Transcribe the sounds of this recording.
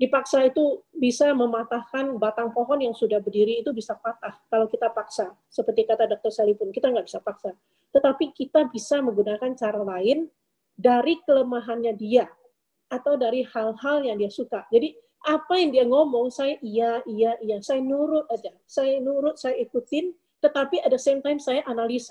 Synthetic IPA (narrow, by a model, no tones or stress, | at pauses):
dipaksait̪ubisaməmat̪ahkanbat̪aŋpɔɦɔnjaŋsudahbərdiɾiːt̪ubisapat̪ahkalawkit̪apaksa | səpərt̪ikat̪adɔk̚t̪ɔrsalipʊnkit̪aŋɡaʔbisapaksa | t̪ət̪apikit̪abisaməŋɡunakant͡ʃaɾalaɪn | daɾikələmaɦanɲadiaː | t̪awdaɾihalhaljaŋdiasukad͡ʒadi | ʔapajaŋdiaŋɔmɔŋsajaʔijaʔijaʔijasajanuɾʊt̪̚ad͡ʒa | sajanuɾʊt̪̚sajaikut̪ɪn | t̪ət̪apiadasamt̪ajmsajaʔanalisa